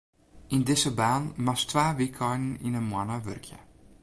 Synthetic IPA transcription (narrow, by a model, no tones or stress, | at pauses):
indɪzəbaːnmastʋaːʋikʰɔjnn̩inənmwanəʋø̰rkʰjə̰